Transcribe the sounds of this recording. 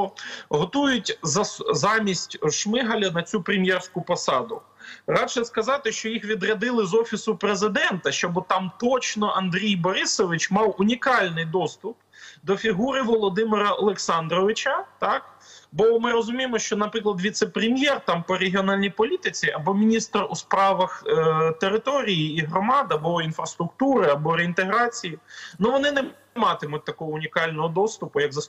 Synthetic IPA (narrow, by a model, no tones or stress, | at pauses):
ɦɔt̪ujʊtʲzɐzɑmʲisʲtʲʃmɪɦɐlʲɐnɐt͡sʲupɾʲɪmʲjɛrsʲkʊpɔsɑd̪ʊ | rɑʃɛskɐzɑt̪ɪʃt͡ʃɔjixʋʲid̪rɐd̪ɪlˠɪzɔfʲisʊpɾezɪd̪ɛnt̪ɐʃt͡ʃɔbʊt̪ɑmt̪ɔt͡ʃnɔʔɐnd̪ɾʲijbɔɾɪsɔʋɪt͡ʃmɑwʊnʲikɑlʲnɪjd̪ɔst̪ʊp | d̪ɔfʲiɦuɾɪʋɔlˠɔd̪ɪmɪɾɐɔlˠeksɑnd̪ɾɔʋɪt͡ʃɐt̪ɑkbɔmɪɾɔzʊmʲijemɔʃt͡ʃɔnɐpɾɪklˠɐd̪ʋʲit̪sepɾʲemʲjɛrt̪ɑmpɔɾeɦʲiɔnɑlʲnʲijpɔlʲit̪ɪt͡sʲiʔɐbɔmʲinʲist̪ruspɾɑʋɐxt̪eɾɪt̪ɔɾʲijiiɦɾɔmɑd̪ɐbɔinfɾɐst̪ɾʊkt̪uɾɪɐbɔɾeint̪eɦɾɑt͡sʲijinuʋɔnɪnɛ | mɑt̪ɪmʊt̚ʲt̪ɐkɔɦɔʊnʲikɑlʲnɔɦɔd̪ɔst̪ʊpʊjɐɡzɐs